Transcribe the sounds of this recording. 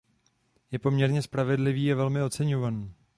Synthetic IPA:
jɛpo̞mɲɛɾɲɛspɾavɛdlɪviːavɛlmɪo̞t͡sɛɲo̞vaniː

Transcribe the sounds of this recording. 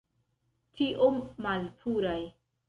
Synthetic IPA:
tʰiʔomːalpʰuɾaj

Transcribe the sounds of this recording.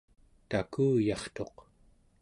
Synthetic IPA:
t̪akuːjɑχt̪o̞q

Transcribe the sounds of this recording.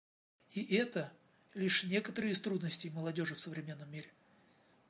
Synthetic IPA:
iʔɛt̪ə | lʲiʂnʲe̞kət̪əɾɨjɪst̪ɾud̪nəsʲtʲɪjməlˠɐdʲo̞ʐɨfsəvɾʲɪmʲe̞nːəmʲːiɾʲɪ

